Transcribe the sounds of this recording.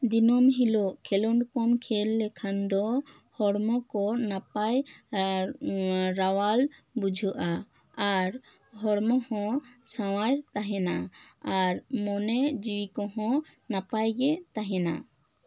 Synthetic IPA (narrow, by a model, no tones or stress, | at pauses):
d̪inɔmɦiloʔkʰɛlɔɳɖkɔmkʰɛlːɛkʰand̪ɔ | hɔɽmɔkɔnapaj | ɾawalbud͡ʒʱɔʔa | aɾ | ɦɔɽmɔhɔ̃sawajɾt̪aɦɛnaaɾmɔnɛd͡ʒiwikɔɦɔ̃napajɡɛt̪aɦɛna̰